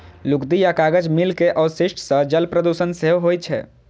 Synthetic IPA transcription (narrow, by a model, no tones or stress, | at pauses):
lʊkd̪ijakaːɡəd͡ʒmɪlkeʔɔʊsɪʃʈʰsə̃d͡ʒəlpɾəd̪usənseɦoɦojt͡ʃʰɛ̰ː